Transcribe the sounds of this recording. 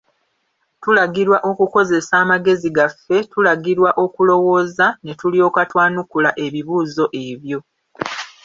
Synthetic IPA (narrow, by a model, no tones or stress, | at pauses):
tulaɡiɾwaʔo̞kuko̞ze̞saːmaɡe̞ziɡafːe̞tulaɡiɾwaʔo̞kulo̞wo̞ːzane̞tulio̞ːkatwaːnukulaʔe̞βiβuːzo̞ʔe̞βjo̞